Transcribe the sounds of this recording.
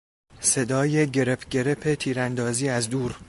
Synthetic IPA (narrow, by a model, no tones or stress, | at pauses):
se̞d̪ɒːje̞ɟe̞ɾepʰɟe̞ɾe̞pʰe̞t̪ʰiːɾænd̪ɒːziːæzd̪uːɾ